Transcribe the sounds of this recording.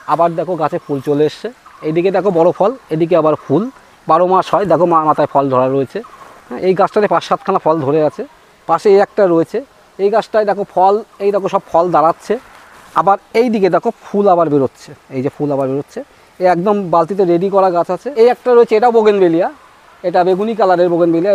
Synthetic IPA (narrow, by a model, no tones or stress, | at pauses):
abaɾd̪ɛkʰoɡat͡ɕʰefult͡ɕoleeʃt͡ɕʰeejd̪ik̬ed̪ɛkʰobɔɽopʰɔled̪ik̬eabaɾpʰul | baɾomaʃɦɔed̪ɛkʰomamat̪ajfʰɔld̪ʱɔɾaɾːoet͡ɕʰeɦɛ̃ʔejɡat͡ɕʰʈaɾepaʃːat̪̚kʰanafʰɔld̪ʱoɾeat͡ɕʰe | paʃeejɛk̚ʈaɾoet͡ɕʰe | ejɡat͡ɕʰʈajd̪ɛkʰofʰɔlejd̪ɛkʰoʃɔb̚fʰɔld̪aɾat̪ːɕʰe | abaɾejd̪ik̬ed̪ɛkʰopʰulabaɾbeɾot̪ːt͡ɕʰeejd͡ʑepʰulabaɾbeɾot̪ːɕʰe | eɛkd̪ombalt̪̬it̪̬eɾeɖikɔɾaɡat͡ɕʰat͡ɕʰeejɛk̚ʈaɾoet͡ɕʰeeʈaoboɡenbelija | eʈabeɡunikalaɾeɾboɡenbelija